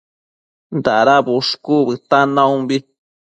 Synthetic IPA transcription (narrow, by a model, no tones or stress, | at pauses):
nd̪aɾabuʂkuβɨt̪anãũbi